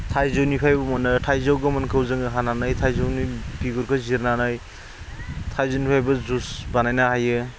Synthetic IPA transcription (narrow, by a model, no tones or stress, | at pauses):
tʰajzɯwnipʰajbɐmɔnɯtʰajzawɡɯmɐnkʰɯwzɯŋɯɦananajtʰajzawnibiɡuɾkʰɯziɾnanaj | tʰajzonipʰajbɐzusbanajnahajɯ